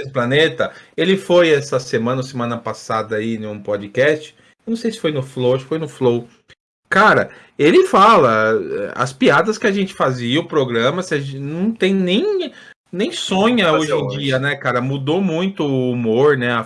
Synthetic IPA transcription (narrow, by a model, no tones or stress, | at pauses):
sʊplanet̪ɐelɪfojɛsɐsemɐ̃nɐsemɐ̃nɐpasad̪ɐinʊ̃pɔd͡ʒɪkɛst͡ʃɪ̥ | eewnɐ̃w̃sejsɪ̥fojnʊflowaʃɪ̥fojnʊflow | kaɾɐ̰ | elɪfalɐɛ̰ɐ̰spiad̪ɐskɪaʒẽnt͡ʃɪ̥faziɐʊpɾoɡɾɐ̃mɐsnɐ̃w̃t̪ẽj̃nẽj̃ | nẽj̃sõɲɐoʒẽj̃d͡ʒiɐnɛkaɾɐmud̪omũj̃t̪ʊːmoɾnɛɐ